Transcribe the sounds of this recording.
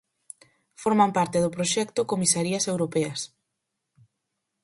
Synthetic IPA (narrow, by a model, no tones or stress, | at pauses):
foɾmampaɾt̪eðʊpɾoʃɛkt̪ʊkomisaɾiɐsewɾopɛɐs